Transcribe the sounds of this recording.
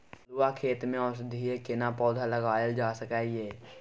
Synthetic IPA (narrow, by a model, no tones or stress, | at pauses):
luwakʰeːt̪mẽɔːsd̪ʱiekɪnapɔːd̪ʱaləɡaːeld͡ʒaːsəkaːjeː